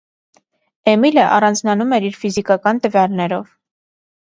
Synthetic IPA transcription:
ɛmiləʔɑrɑnd͡znɑnumɛɾiɾfizikɑkɑnt̪əvjɑlnɛɾɔv

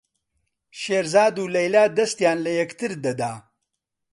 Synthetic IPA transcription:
ʃeːɾzaːd̪uːlɐjlaːd̪ɐst̪jaːnlɐjɐkt̪ʰɨɾd̪ɐd̪aː

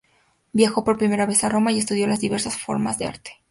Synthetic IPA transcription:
bjaxo̞po̞ɾpɾime̞ɾaβe̞saro̞maie̞s̬t̪uð̞jo̞lazðiβe̞ɾsasfo̞̰ɾmazðe̞a̰ɾt̪e̥

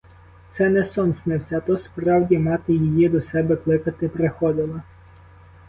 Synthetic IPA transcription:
t̪sɛnɛsɔnsʲnɪwsʲɛt̪ɔspɾɑwdʲimɑt̪ɪjijid̪ɔsɛbɛklˠɪkɐt̪ɪpɾexɔd̪ɪlˠɐ

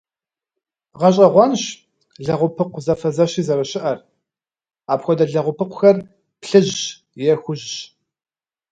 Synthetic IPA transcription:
ʁɐɕ̬ʼɐʁʷɑːnɕ | ɮɐʁʷʊpʰɨqʷzɐfɐzɐɕiːzɐɾɐɕɪʔɐr | aːpxʷɔdɐɮɐʁʷʊpʰɨqʷʰʊxɐr | pɬɨʑɕ | jɛxʷʊʒɕ

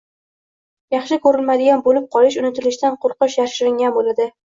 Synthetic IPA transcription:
jɑχʃɪkʰɵɾɪlmad̪ɪɡʲanbolɪp̚qʰɒlɪʃ̬ʊnɪt̪ʰɪlɪʃt̪anqʰʊɾˠqɨʃjaɾʃɪɾɪŋʲanbolad̪ɪ

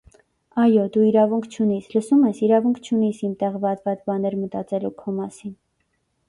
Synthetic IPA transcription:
ɑjɔd̪uiɾɑvuŋkʰt͡ʃʰunisləsumɛsiɾɑvuŋkʰt͡ʃʰunisimt̪ɛʁvɑt̪vɑt͡sbɑnɛɾmət̪ɑt͡sɛlukʰɔmɑsin

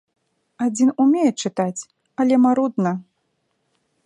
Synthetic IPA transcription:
ad͡zʲinumʲejɛt͡ʂɨt̪at͡sʲ | ɐlʲɛmaɾud̪nɐ

